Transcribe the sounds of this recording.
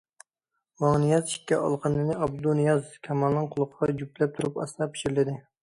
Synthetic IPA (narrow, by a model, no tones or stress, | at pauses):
mɑnijɑziʃkʲːɛɑ̰lˠqʰɑnɨnɪʔɑb̚d̪unɪjɑzkʲʰɛmɑlˠnɨŋqʰʊlˠʊqʰʁɑd͡ʒuplɛp̚t̪ʰuɾupɑ̰st̪ˠɑpʰɪ̥ʃiɾlɪd̪ɪ